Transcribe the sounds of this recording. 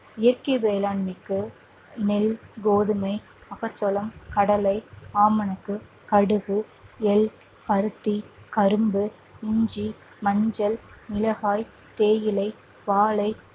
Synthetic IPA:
ɪjɐɾkɐʋeːlaːɳmɪkːɯ | nɛlɡoːðɯmɐɪ | ɐɣɐt͡ʃːɔlɐmkɐɽɐlɐɪaːmɐnɐkːɯ | kɐɽɯɣɯɛl | pɐɾɯt̪ːikɐɾɯmbɯ | ɪɲd͡ʒi | mɐɲd͡ʒɐlnɪlɐɣaːj | t̪eːjɪlɐɪ | ʋaːlɐɪ

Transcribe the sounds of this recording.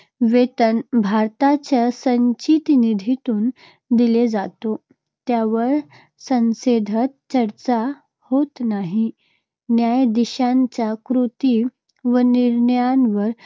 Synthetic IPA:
ʋet̪ənbʱaɾt̪at͡ɕjasəɲt͡ɕit̪nid̪ʱit̪uːn | d̪iled͡zat̪o | t̪jaʋəɾ | sə̃nsed̪ʱət̪̚t͡ɕəɾt͡sa | hot̪naɦi | njajd̪iɕaɲt͡ɕjakɾut̪i | ʋəniɾnəjanʋəɾ

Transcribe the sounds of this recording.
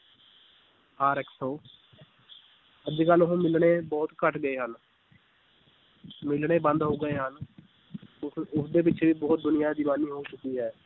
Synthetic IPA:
aːɾɛːksoː | əd͡ʒeːkəlɦõːmɪlɳeːbɔːt̪kəʈʰɡəeːɦən | mɪlɽeːbə̃nd̪ɦoːɡəeːɦən | ʊsd̪eːp̬ɪʃʰeʋiːbɔːt̪̚d̪ʊnɪjãːd̪iːmaːniːɦoːt͡ʃʊkːiːɦɛː

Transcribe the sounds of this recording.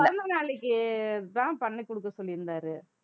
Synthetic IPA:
ɐðɐnd̪ɐnaːɭɛkːɯɐt̪ãːpɐɳːɐkːɔɽɯkːɐsɔlːɪɾɯnd̪aːɾɯ

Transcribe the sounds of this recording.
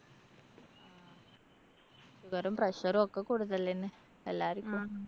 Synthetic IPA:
suɡɐɾɐmprɐɕɐɾuokːekuːɽut̪ːɐlːenːe | elːaːɾikʲːu

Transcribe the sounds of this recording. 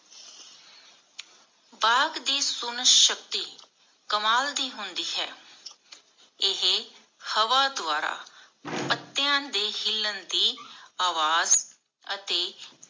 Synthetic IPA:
baːɡd̪iːsʊnəʃək̚t̪iː | kəmaːld̪iːɦʊnd̪iːɦɛ̰ː | ɪɦe | həʋaːd̪ʊaːɾa̰ː | pət̪ːɪjãːd̪eːhɪlːənd̪iːaːʋaːz | ət̪eː

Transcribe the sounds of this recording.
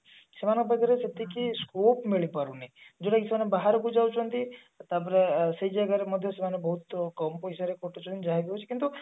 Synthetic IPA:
semanɔbəɡaɾeset̪ikiskopmeɭipaɾuneĩd͡ʒoɽaɡisemanebaɦaɾkud͡ʒawt͡ʃʰɔnt̪i | t̪ap̬ɔɾeseid͡ʒaɡaɾemɔd̪ʱjɔsemanebɔɦut̪kɔmpoisaɾekʰoʈot͡ʃʰɔnd͡ʒaɦeɡ̪iɦwt͡ʃʰi̥kint̪u

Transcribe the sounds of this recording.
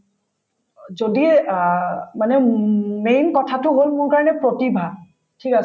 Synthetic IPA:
zodi | manɛmenkɔtʰatʊɦolmʊnkaɹɔnɛpɹotibʱa | tʰikas

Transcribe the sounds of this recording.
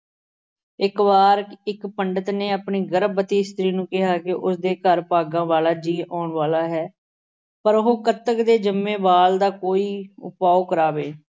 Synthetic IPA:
ɪkʋaːɾkɪkpəɳɖət̪neːapɳiːɡəɾəbət̪iːst̪ɾiːnũːkɪɦaːkɪʔʊsd̪eːkəɾpaːɡãːʋaːlaːd͡ʒiːɔːɳʋaːlaːɦɛː | pəɾʊɦoːkət̪əkd̪eːd͡ʒəmːẽːbaːld̪aːkoːiːʊ̰paːoːkəɾaːʋeː

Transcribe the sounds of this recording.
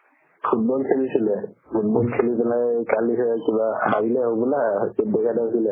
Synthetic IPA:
pʰut̚bɔlkʰelisilɛpʰut̚bɔlkʰelipɛlajkalisɛkibahaɹilɛɦobɔlakedɛkʰadasilɛ

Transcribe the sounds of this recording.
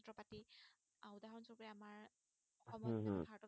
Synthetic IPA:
tɹɔpati | awdaɦɔnsɔpɹɛamaɹ | ɔxɔmɔpʰaɹtɔ

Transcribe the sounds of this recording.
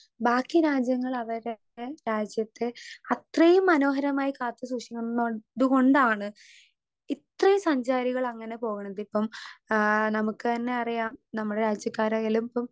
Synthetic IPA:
baːkːiɾaːd͡ʑjɐŋːɐɭɐʋɐɾ | eɾaːd͡ʑjɐt̪ːeɐt̪rɐjumːɐno̞ːɦɐɾɐmaːjikaːt̪ːɨsuːʂikːuoduɣo̞ɳɖaːɳɨ | it̪rɐjumsɐɲd͡ʑaːɾiɣɐɭɐŋːɐne̞po̞ːɣuɳɐðipːɐm | nɐmukːɨt̪ɐnːe̞ɐrijaːmnɐmːuɽe̞ɾaːd͡ʑjɐkːaːɾɐːjɐlumipːɐm

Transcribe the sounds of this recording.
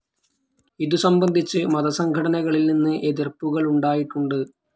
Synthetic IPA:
iðusɐmbɐnd̪ʱit͡ɕːɨmɐðɐsɐŋɡʱɐɽɐnɐɣɐɭilninːɨʔeðirpuɣɐɭuɳɖaːjiʈːuɳɖɨ

